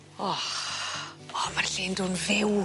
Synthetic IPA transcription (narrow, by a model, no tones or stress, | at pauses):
ɔ | ɔmarɬɪːndonvɪw